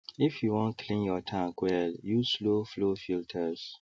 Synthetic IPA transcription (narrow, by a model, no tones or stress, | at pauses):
ifjuwɔ̃ntkʰlĩnjɔtʰãŋkwɛljusloflofiltʰəs